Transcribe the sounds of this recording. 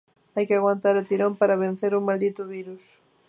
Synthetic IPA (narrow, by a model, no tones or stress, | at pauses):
ajkɪaɣwant̪aɾʊt̪iɾompaɾaβẽn̟θeɾuŋmald̪it̪ʊβiɾus